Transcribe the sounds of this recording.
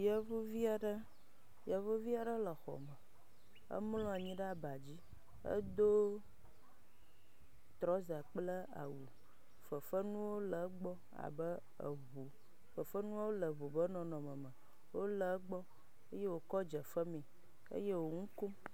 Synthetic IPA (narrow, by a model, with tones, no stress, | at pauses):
ja˦vo˦vi˦a˨ɖə˦ | ja˨vo˦vi˦a˨ɖə˦lə˨xɔ̰˨mə˨ | ə̰˦mlɔ̃˦a˨ɲĩ˦ɖa˦ba˨d͡ʑi˦ | ə̰˦d̪o˦ | t̪ɾɔ˦za˨k͡plə˦a̰˨wu˨ | fə˨fə˦nũ˦wo˦lə˨˦ɡ͡bɔ˦ | a̰˨bə˦ | ə̰˨βo˨ | fə˨fə˦nũ˦wo˦lə˨βo˨bə˦nɔ̃˨nɔ̃˨mə̃˨mə̃˨ | wo˦lə˨˦ɡ͡bɔ˦ | ə˦je˦wo˨kɔ˦d͡ʒə˨fə˦mĩ˨ | ə̰˦je˦wo˨ŋũ˦ko˦